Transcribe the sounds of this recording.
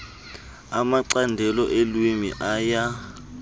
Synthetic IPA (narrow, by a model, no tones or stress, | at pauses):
amaǀandʱɛlɔʔelwimḭʔaja